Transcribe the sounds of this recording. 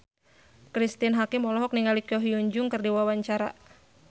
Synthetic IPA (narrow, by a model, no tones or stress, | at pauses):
kɾist̪inɦakɪmɔlɔɦɔk̚niŋalikjɔɦiuɲd͡ʒʊŋkɨrdiwawaɲt͡ʃaɾa̰